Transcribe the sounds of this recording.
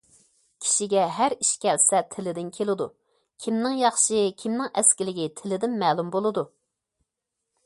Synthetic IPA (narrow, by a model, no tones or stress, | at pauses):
kʲʰi̥ʃiɡʲɛɦæɾiʃkʲɛlsɛt̪ʰɪlɪd̪ɪnkʲʰelɪd̪u | kʲʰimnɪŋjɑχʃɨkʲʰimnɪŋɛskʲilɪɡʲit̪ʰɪlɪd̪ɪnmɛːlˠumbolˠɨd̪u